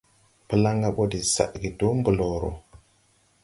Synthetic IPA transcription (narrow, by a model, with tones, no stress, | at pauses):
pə˦la˦ŋɡa˦˨ɓo˦di˨sa̰˨ʔɡi˨do˦m˦bə˨lo˨ɾo̰˨